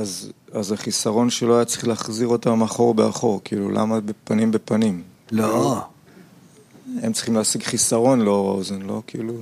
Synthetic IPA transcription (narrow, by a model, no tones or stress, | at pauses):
azazaχisaʁo̞nʃelo̞ajat͡sʁiχleːχziʁo̞tamaχo̞ʁbea̰χo̞ʁkiːlulʔa̰mabepanimbe̞panim | lo | e̞mtt͡sʁi̥χimleːsiɡχisaʁo̞nleo̞ʁa̰ozenlo̞̰kiːlu